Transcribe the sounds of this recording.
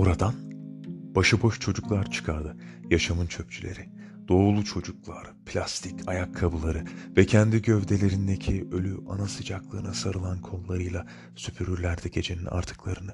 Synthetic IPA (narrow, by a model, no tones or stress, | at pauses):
oɾad̪anb̥aʃɯbo̞ʃt͡ʃʰo̞d͡ʒuklˠaɾt͡ʃʰɯ̥kʰaɾd̪ɯ | jaʃamɯnt͡ʃʰøp̚t͡ʃʰylʲe̞̰ɾi | d̪̥o̞ːlˠut͡ʃʰo̞d͡ʒuk̚lˠaɾpʰlʲast̪ʰikcʰajakʰːabɯlˠaɾɯvɛcʰɛnd̪iɟøvd̪e̞lʲe̞ɾind̪e̞cʰiø̞lʲyʔa̰nasɯd͡ʒaklˠɯːnasaɾɯlˠankʰo̞nˠlːˠaɾɯjlˠa | sypʰyɾyɾlʲæɾd̪ɛɟe̞d͡ʒe̞ninʔa̰ɾt̪ʰɯ̥klˠaɾɯnɯ